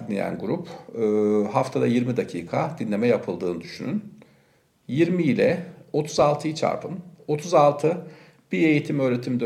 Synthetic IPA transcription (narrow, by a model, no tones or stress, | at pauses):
inlʲejæ̰nɡuɾupʰː | ɦaft̪ʰad̪ajiɾmid̪acʰiːkʰad̪inlʲe̞mɛjapʰɯlˠd̪ɯːnɯd̪yʃynyn | jiɾmiːlʲɛo̞t̪ʰuzalˠt̪ʰɯjit͡ʃʰa̰ɾpʰɯno̞t̪ʰuzalˠt̪ʰɯ | b̥ie̞jit̪ʰimø̞ːɾe̞t̪ʰimd̪